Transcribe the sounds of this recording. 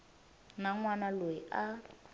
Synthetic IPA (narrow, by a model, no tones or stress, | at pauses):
naŋwanaloiʔa